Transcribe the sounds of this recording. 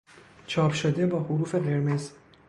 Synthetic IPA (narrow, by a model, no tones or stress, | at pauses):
t͡ʃʰɒːpʰʃod̪ebɒːɦuɾuːfeʁeɾmez